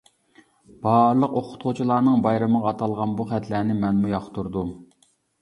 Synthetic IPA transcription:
b̥ɑɾlˠəqoqʰʊ̥t̪qʰʊt͡ʃʰilˠɑːnɨŋbɑjɾɨməʁɑːt̪ʰɑlˠʁɑnbuχɛt̪ʰlæːnɪmɛnmujɑχt̪uɾd̪u

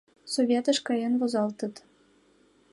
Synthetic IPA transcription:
sovʲet̪ɤ̆ʃkɑjɤ̆nvozɑlˠt̪ɤ̆t̪

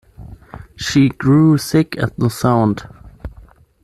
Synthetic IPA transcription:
ʃiɡɹusɪkɨ̰t̪̚ðəsãʊ̃nd̥

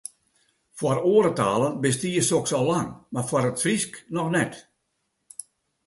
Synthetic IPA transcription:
fwɔroːəɾətaːlˠənbəstiːəsoksɔlaŋmarfwɔɾətfrisknɔxnɛt

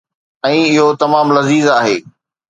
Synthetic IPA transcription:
ɛ̃ːɪɦot̪ɐmaːmlɐziːzaːɦeː

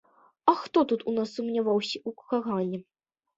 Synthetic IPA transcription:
ɐxt̪ɔt̪ut̪unasːumnʲavawsʲɐʔukkaɣanʲːɛ

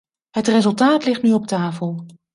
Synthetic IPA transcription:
ɦətrezɵlˠtaːtlɪχtnyɔp̚taːfəlˠ

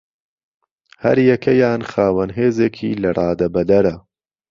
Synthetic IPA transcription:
hɐ̰ɾjɛkʰɐjaːnxaːwɐnɦeːzeːkʰiːlɐrˤʔɑːd̪ɐbɐd̪ɐɾɐ

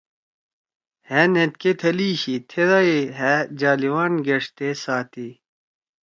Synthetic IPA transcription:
henet̪̚ket̪ʰɐliɕit̪ʰeɾɐiɦɛd͡ʑaːliwaːnɡeʂt̪esaːt̪i

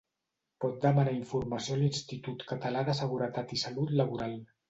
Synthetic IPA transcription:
pɔt̪̚d̪əmanaiɱfuɾmasiolinst̪it̪ut̪kət̪əlaðəsəɣ̞uɾət̪at̪isəlut̪ləβuɾalˠ

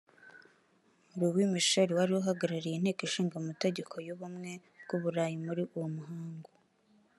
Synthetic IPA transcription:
uɾuβwimiʃoɾiwaɾiwuɦaɡaɾaɾijin̥e̞ːkiʃiːŋɡamute̞ɟe̞kʰo̞joβumŋe̞ | b̚ɡ̥uβuɾaːjimuɾiʔuwomuɦaːŋɡo

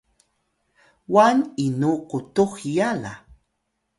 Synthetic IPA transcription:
waninukʊt̪uxjala̰

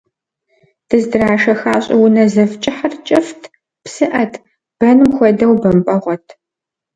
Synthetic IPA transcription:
d̥ɨzdɨraːʃɐxaːɕʼɪwʊnɐzɐft͡ʃʼɪħɐrt͡ʃʼɪftʰ | psɨʔɐtʰ | b̥ɐnɨmxʷɔdɐwbɐmpʼɐʁʷɔtʰ

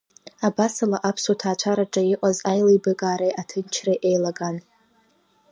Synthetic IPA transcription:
abasalaʔapʰsotʰaːt͡ʃʷʰaɾaʈ͡ʂʼaɪʔʷʼazajlejbɨkʼaːɾejʔatʰɨnt͡ʃʰrejʔejlaɡan

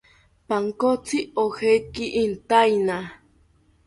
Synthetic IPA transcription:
paŋkot͡sʰiohekiʔint̪ajna

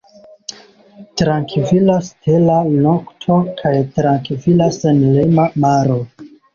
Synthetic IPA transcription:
tɾaŋkvilastʰe̞lanoktʰo̞kʰajtɾaŋkvilasenlemamaɾo

